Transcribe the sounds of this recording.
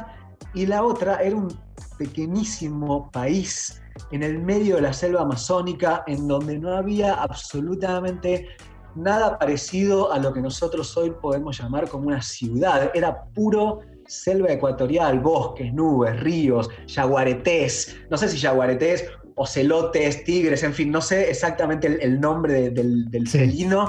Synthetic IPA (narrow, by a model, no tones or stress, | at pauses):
ilao̞t̪ɾaʔe̞ɾaum | pe̞keɲisimo̞pais | ene̞lme̞ðjoðelase̞lβaːmaso̞nikaʔe̞nd̪o̞nd̪e̞no̞aβiaʔaβso̞lut̪amẽ̞nt̪e̞ | nað̞apaɾesið̞o̞ʔalo̞ke̞no̞so̞t̪ɾoso̞jpo̞ðe̞mosʒamaɾko̞mounasjuðaðeɾapuɾo | se̞lβaekwat̪o̞ɾjalβo̞ske̞snuβe̞srio̞sʃaɣwaɾet̪es | no̞s̬es̬iʃaɣwaɾet̪es | o̞selo̞t̪est̪iɣɾese̞ɱfinːo̞seːsak̚t̪amẽnt̪eelnõ̞mbɾeðeðeld̪elselino